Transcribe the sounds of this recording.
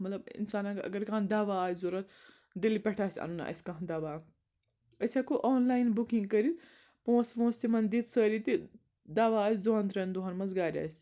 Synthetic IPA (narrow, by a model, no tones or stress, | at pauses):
mɐt̪lɐbɪ̰nsaːnãɐ̰ɡɐɾkaːnd̪aːʋaːjzuɾɐt̪ | d̪ilipʲɐʈʰaːsʲɐ̰nuna̰ʔɐ̰sʲkaɦnd̪aːʋaː | ɐsʲaːkoʔoːnlaːinbukĩŋɡkəɾit̪ | põːspõːst̪imɐnd̪it̪səːɾit̪i | d̪aːʋaːsd̪oɦɐnt̪ɾɐnd̪uɦɐnmɐnzɡaːɾʲa̰ːsʲ